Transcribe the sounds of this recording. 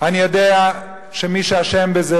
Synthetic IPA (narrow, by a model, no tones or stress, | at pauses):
anijo̞d̪ea | ʃemiʃeaʃembeze